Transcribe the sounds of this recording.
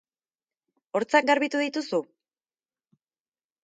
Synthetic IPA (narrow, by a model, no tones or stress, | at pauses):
o̞ɾt͡sak̚ɡaɾβit̪uðit̪usu